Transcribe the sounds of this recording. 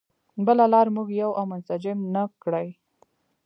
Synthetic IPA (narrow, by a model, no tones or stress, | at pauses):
bəlalɑɾmuɡjawʔawmʊnsad͡ʒɪmnəkɽəj